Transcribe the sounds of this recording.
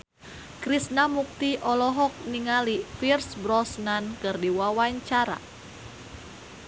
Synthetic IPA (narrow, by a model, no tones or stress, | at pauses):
kɾisnamuk̚t̪iʔɔlɔɦɔk̚niŋalifirsbɾɔsnankɨrdiwawaɲt͡ʃaɾa̰